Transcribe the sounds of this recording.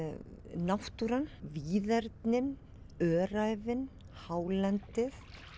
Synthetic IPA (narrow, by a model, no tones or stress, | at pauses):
nawht̪uɾanviːðɛɾt̪nɪn | œːɾajvɪn | haːwlɛnt̪ɪθ